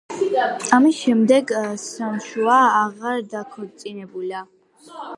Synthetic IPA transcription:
amisʃɛmd̪ɛɡsamʃuaːʁaɾd̪akʰɔɾt̪sʼinɛbula

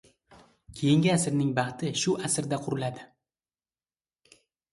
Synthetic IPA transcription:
kʲʰejɪŋɡʲɪasɪɾnɪŋbɑχt̪ʰɪʃʊʔasɪɾd̪aqʰʊɾɪlad̪ɪ

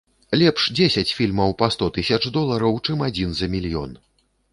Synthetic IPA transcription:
lʲɛpʂd͡zʲesʲɐt͡sʲfʲilʲmɐwpast̪ɔt̪ɨsʲɐt͡ʂd̪ɔlˠɐɾɐwt͡ʂɨmad͡zʲinzɐmʲilʲjɔ̰n

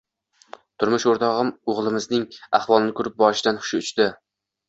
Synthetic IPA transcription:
t̪ʰʊɾmʊʃoɾt̪ʰɒʁɨmoʁlˠɪmɪznɪŋa̰χwɒlˠɪnɪkʰʊɾɪp̚bɒɾɪʃɪd̪anχʊ̥ʃɪʊt͡ʃt̪ɪ

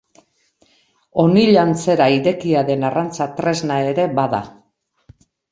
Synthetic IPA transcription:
o̞niʎant͡se̞ɾaiɾe̞kiaðe̞narant͡sat̪ɾe̞znae̞ɾe̞baða̰

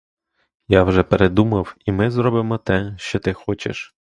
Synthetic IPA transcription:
jawʒɛpeɾed̪umɐwimɪzɾɔbɪmɔt̪ɛʃt͡ʃɔt̪ɪxɔt͡ʃḛʃ

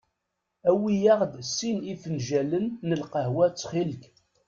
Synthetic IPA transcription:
æwijaʁd̪sːinifənʒælənːəlqəhwæt͡sːχilk

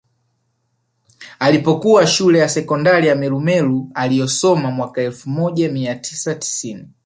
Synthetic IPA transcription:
alipɔkuwaʃulɛjasɛkɔndaɾijamɛlumɛlualijɔsɔmamwakaɛlfumɔʄamiatʰi̥sati̥sini

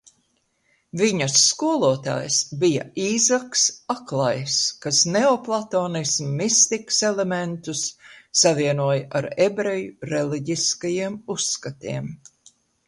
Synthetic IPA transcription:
viɲɐsːkuɔlˠuɔt̪a̰ːjsbija̰iːzaksaklˠajskasneɔplˠat̪oːnismːist̪iksɛlement̪usːaviɛnuɔjʔaɾebɾejuɾeliɟiskajiɛmuskat̪iɛm

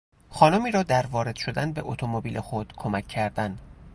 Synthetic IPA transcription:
xɒːnomiːɾɒːd̪æɾvɒːɾe̞d̪̥ʃo̞d̪ænbe̞ʔot̪ʰomobiːlʔexod̪̥kʰo̞mækʰːæɾd̪ænd̪̥

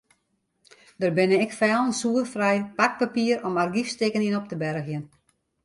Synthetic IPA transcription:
dərbɪnəɪkfɛːlˠənsuːərfrɛjpak̚papiəɾɔmarɡifstɪkəninɔp̚təbɛɾxjən

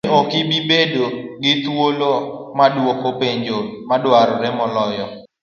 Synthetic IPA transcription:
okɪbibedoɡɪt̪wolomadwokopeɲd͡ʒomadwaɾɔɾɛmɔlɔjɔ

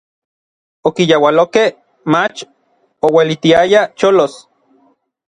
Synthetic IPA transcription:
okijawalokeh | mat͡ʃ | owelit̪iajat͡ʃolos

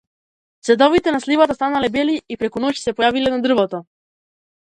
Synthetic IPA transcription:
t̪sɛd̪ɔvit̪ɛnaslivat̪ast̪analɛbɛliipɾɛkunɔcsɛpɔjavilɛnad̪r̩vɔt̪ɔ

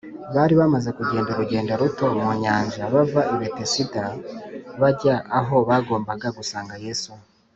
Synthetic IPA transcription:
βaːɾiβamaze̞kuɟe̞ːndaɾuɟe̞ːndaɾuto̞moɲaːɲʒaβavaʔiβetesita | βaɟaʔːɦo̞βaːɡo̞ːmbaɡaɡusaːŋɡaje̞su

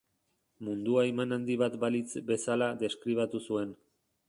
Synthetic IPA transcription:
mund̪uaemanand̪iβat̪balit͡sbe̞salaðe̞skɾiβ̞at̪usue̞n

